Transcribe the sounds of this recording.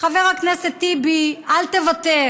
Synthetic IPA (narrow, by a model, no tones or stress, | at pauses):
χaveʁakneset̪ːibialt̪evat̪e